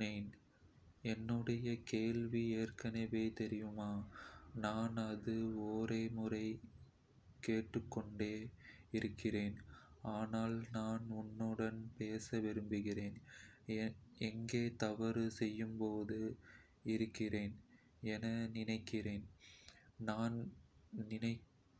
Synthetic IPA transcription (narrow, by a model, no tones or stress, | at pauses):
neːn | ɛnːɯɽɐjɐkeːlʋieːrkɐnɐʋeːt̪ɛɾɪjɯmaːnaːnɐðɯoːɾeːmʊrɐɪ | keːʈːɯkːɔɳɖeːɪɾɯkːɪreːnaːnaːlnaːnʊnːɯɽɐnpeːsɐʋɪɾɯmbɯɣɪreːn | ɛŋɡeːt̪ɐʋɐɾɯsɛjːɯmpoːðɯ | ɪɾɯkːɪreːn | ɛnɐnɪnɐɪkːɪɾeːn | naːnnɪnɐɪ